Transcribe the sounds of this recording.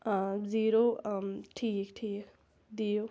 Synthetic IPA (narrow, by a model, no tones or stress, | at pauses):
d͡ziɾoʈʰiːkʈʰiːk | d̪ijo